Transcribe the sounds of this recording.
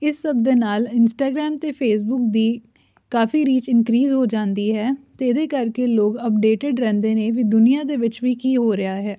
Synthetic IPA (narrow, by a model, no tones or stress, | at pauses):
ɪsːəb̚d̪eːnaːlɪnsʈaːɡɾɛːmt̪eːpʰeːs̬bʊk̚d̪iː | kaːfiːɾiːt͡ʃɪnkɾiːzɦoːd͡ʒãːnd̪iːɦɛːt̪eːd̪eːkəɾkeloːɡəpɖeːʈɪɖɾɛ̃ːnd̪eːnẽʋid̪ʊnijaːd̪eːʋɪt͡ʃʋiːkiːɦoːɾɪjaːɦɛː